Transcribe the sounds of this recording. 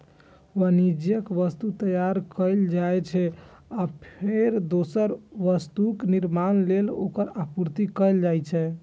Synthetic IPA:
ʋənid͡ʒjəkʋəst̪ut̪əjaɾkəld͡ʒajt͡ʃʰɛ | apʰeɾd̪osəɾʋəst̪ukniɾmanlelo̰kəɾapuɾt̪ikəjld͡ʒajt͡ʃʰɛ

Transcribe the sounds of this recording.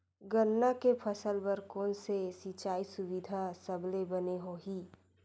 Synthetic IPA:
ɡənnakepʰɐsəlbɐɾkɔːnsesit͡ʃaːisʊwɪd̪ʱasɐblebɐneɦoɦiː

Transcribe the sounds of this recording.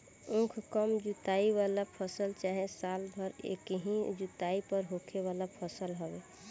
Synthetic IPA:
ũkʰkəmd͡ʒut̪aiβalapʰəsəlt͡ʃaɦẽsalbʱəɾḛkeɦĩd͡ʒut̪aipəɾɦokʰeβalapʰəsəlɦəbe

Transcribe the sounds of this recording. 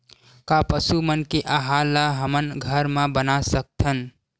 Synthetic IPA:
kapəsumənkeʔaɦalːaɦəmənɡʱəɾmãbənasək̚t̪ʰən

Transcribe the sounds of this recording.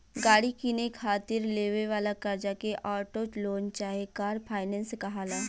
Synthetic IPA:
ɡaːɽikinekʰaːt̪ɪɾleːʋeʋaːlakɐɾd͡ʒakeʔaːʈot͡ʃloːnt͡ʃaːɦekaːɾpʰaːɪnɛ̃ːnskaɦaːlaː

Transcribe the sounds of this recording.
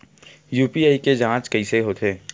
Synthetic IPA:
juːpiaːiked͡ʒãːt͡ʃkɐiseɦoːt̪ʰeː

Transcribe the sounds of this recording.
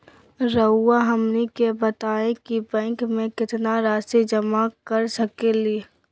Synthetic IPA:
ɾəuaɦɐmnikebət̪aːẽkibɛ̃ːŋkmẽkɪt̪naɾaːsid͡ʒəmakəɾsəkeli

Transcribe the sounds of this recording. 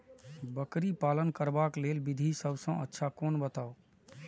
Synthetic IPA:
bəkɾipaːlənkəɾbakleːlbɪd̪ʱisəbsə̃ə̰tːʃʰakoːnbət̪aːo

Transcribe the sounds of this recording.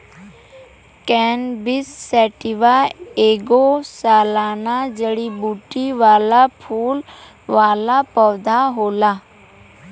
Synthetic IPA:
kɛːnbɪsːɛːʈɪʋaeːɡosaːlaːnad͡ʒəɽibuːʈiʋaːlapʰuːl | ʋaːlapəʋd̪ʱaɦoːlaː

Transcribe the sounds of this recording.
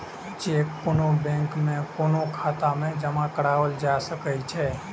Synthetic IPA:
d͡ʒekːonobɛ̃ŋkmẽkonokʰat̪amẽd͡ʒəmãkəɽaʋəld͡ʒasəkəjt͡ʃʰɛ

